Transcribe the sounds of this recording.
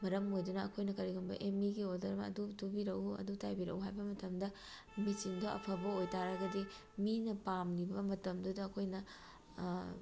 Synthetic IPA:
mɐɾɐmojdunɐɐkʰojnɐkɐɾiɡɐmbɐ̰ʔemiɡiodɐɾɐmɐ̰dutubiɾɐwuɐ̰dutajbiɾɐ̰uɦajbɐmɐtɐmdɐ | misindɐʔɐ̰pʰɐbɐojtaɾɐɡɐdi | minɐpamlibɐmɐtɐmdudɐːkʰojnɐ

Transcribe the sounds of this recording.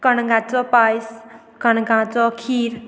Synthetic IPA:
kʌnɡãt͡sɔpajs | kʌnɡãt͡sɔkʰiɾ

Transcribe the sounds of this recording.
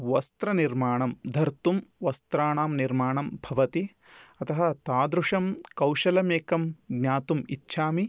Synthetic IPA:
ʋɐst̪ɾɐniɾmaːɳɐmd̪ʱɐɾt̪umʋɐst̪ɾaːɳaːmniɾmaːɳɐmbʱɐʋɐt̪i | ɐt̪ɐɦɐt̪aːd̪ɾuʂɐmkɐwʃɐlɐmeːkɐmɡnʲaːt̪umitːʃʰaːmi

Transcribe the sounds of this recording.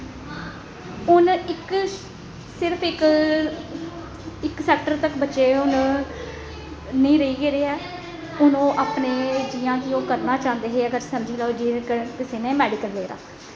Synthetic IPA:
ʊnɪk | sɪɾpʰɪk | ɪksɛːk̚ʈəɾt̪əkbətːʃeːʊn | nĩːɾəiːɡeːɾeːɛː | ʊnõːʔaːpneːd͡ʒiːãːkɪoːkəɾnaːt͡ʃãːnd̪eːɦeːəɡəɾsəmd͡ʒiːlaːd͡ʒiːkəkɪseːnɛ̃ːmɛːɖɪkəlːeːɾa̰ː

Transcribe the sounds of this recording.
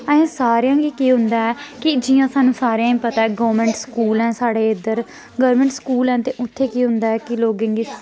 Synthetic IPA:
əẽːsaːɾɪjãːɡiːkiːɦʊ̃nd̪aːɛːkɪd͡ʒɪjãːsaːnːũːsaːɾeãːĩːpət̪aːɛːɡəːəɾmɛ̃ːɳʈskuːlɛ̃ːsaːɽeːɪd̪əɾ | ɡəʋɾmɛ̃ːɳʈskuːlɛ̃ːt̪eːʔʊt̪ʰːeːkiːɦʊnd̪aːɛːkɪloːɡãːŋɡiː

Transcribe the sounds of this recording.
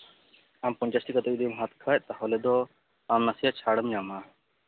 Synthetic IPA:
ampɔɲt͡ʃasʈikɔt̪ɔʔd̪imɦat̪kʰac̚ˀt̪ahɔlɛd̪ɔ | amnasijaʔt͡ʃʰaɽəmjama

